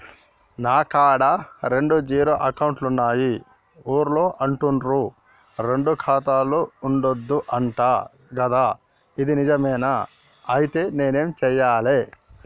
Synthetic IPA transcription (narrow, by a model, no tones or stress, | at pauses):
naːkaːɽɐɾe̞ɳɖud͡ʒiːɾoːʔɐkɐwɳʈlunːaːji | oːɾloːʔɐɳʈunɾu | ɾe̞ɳɖukʰaːt̪aːluuɳɖod̪ːuʔɐɳʈaː | ɡɐd̪aː | id̪inid͡ʒɐmɛːna | ɐjit̪e̞ːne̞ːne̞ːmt͡ʃɛjːaːleː